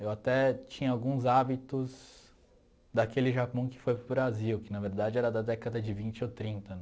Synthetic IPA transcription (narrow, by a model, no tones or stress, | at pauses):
ewat̪ɛt͡ʃĩɲɐawɡũzabit̪ʊz | d̪akelɪʒapɐ̃w̃kɪ̥fojpɾʊbɾaziwkɪnɐveɾd̪ad͡ʒɪɛɾɐd̪ɐd̪ɛkɐd̪ɐd͡ʒɪvĩnt͡ʃɪot̪ɾĩnt̪ɐ